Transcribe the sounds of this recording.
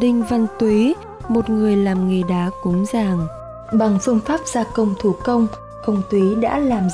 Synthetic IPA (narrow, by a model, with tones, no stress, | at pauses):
ɗï˧ŋ̟va˧nt̪wi˨˦ | mo˨˩t̚ŋɨ˨˩əjlaː˨˩mŋɨ˨˩ɗaː˨˦kʊ˨˦ŋ͡mzaː˨˩ŋ | ɓa˨˩ŋfɨ˧əŋfaː˦˥p̚z̥aː˧kə˧wŋ͡mt̪ʰu˧˩kə˧wŋ͡m | kə˧wŋ͡mt̪wi˨˦ɗa̰ː˧˥laː˨˩m